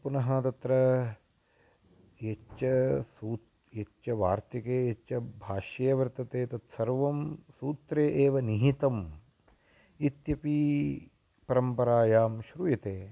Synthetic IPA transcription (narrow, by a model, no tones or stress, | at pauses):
punɐɦɐt̪ɐt̪ɾɐ | jet͡ʃɐsuːt̪ | jet͡ʃɐʋaːɾt̪ɐkeːet͡ʃɐbʱaːʃɐjɐʋɐɾt̪ɐt̪eːt̪ɐt̪sɐɾʋɐmsuːt̪ɾeːʔeːʋɐniɦit̪ɐm | it̪jɐpi | pɐɾɐmpɐɾaːjaːmʃɾujɐt̪eː